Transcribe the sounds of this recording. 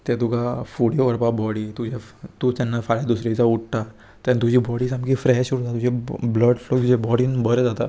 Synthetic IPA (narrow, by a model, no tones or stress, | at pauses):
t̪ɛt̪ukafuɽiɔɾpabɔɽit̪ud͡ʑʱet̪uːt̪ɛnːafaɭjad̪usɾit͡sauʈ̚ʈ̪a | t̪ant̪ud͡ʑʱiːbɔɽisamkifɾɛɕuɾud͡zat̪ud͡ʑʱebləɖlot̪ud͡ʑebɔɽiːnbəɾəd͡zat̪a̰